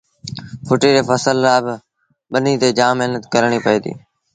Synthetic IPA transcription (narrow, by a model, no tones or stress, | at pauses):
pʰʊʈiːɾeːpəsəlːaːbɪ | ɓəniːt̪eːd͡ʒaːmːɪɦnət̪kəɾɳ̃iːpəeːd̪ḭː